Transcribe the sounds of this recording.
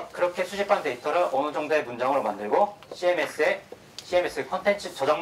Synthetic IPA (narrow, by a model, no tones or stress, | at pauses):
kɯɾʌkʰe̞sʰud͡ʑipʰante̞itʰʌɾɯɭʌnɯd͡ʑʌŋdoe̞mund͡ʑaŋɯɾomandɯɭɡoɕʰiemes͈ʰɯe | ɕʰiemes͈ɯkʰʌntʰent͡ɕʰɯt͡ɕʌd͡ʑaŋ